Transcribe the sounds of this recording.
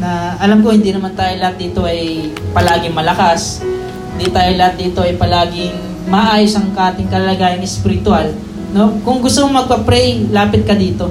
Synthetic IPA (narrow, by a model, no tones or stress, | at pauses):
nɐʔɐlamko̞hɪnd̪inɐmant̪aːjolɐhat̪̚d̪iːt̪o̞ʔɐjpɐlaːɡɪŋmɐlɐkas | hɪnd̪it̪aːjolɐhat̪̚d̪iːt̪o̞ɐjpɐlaːɡɪŋ | mɐʔaːjosɐŋkʔaːt̪ɪŋkɐlɐlɐɡaːjɐnɛspɪɾɪt̪ʊal | no̞kʊŋɡʊst̪omomɐɡ̚pɐpɾɛjlaːpɪt̪̚kɐd̪iːt̪o̞